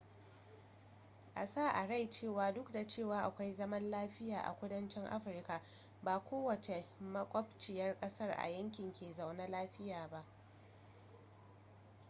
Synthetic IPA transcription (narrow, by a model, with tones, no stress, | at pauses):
ʔa̰˨saː˦˨ʔa˨ɽa˦˨jt͡ʃeː˦˨waː˨dʊ˦kda˨t͡ʃeː˦˨waː˨ʔa˨kʷa˦jzɐ˦mɐ˦nlaː˦ɸɪ˦jaː˨ʔa̰˨kʷʊ˦dɐ˦nt͡ʃɪ˦ŋʔa̰˦ɸɪ˨rka˨ | baː˨kʷoː˦wɐ˨t͡ʃe˨mɐ˦kʷʼɔ˦pt͡ʃɪ˨jɐ˦rkʼɐ˦sɐ˦rʔa̰˨jɐ˦ŋkʲɪ˨ŋkʲeː˨za˨wna˦laː˦ɸɪ˦jaː˨ba˦ʔ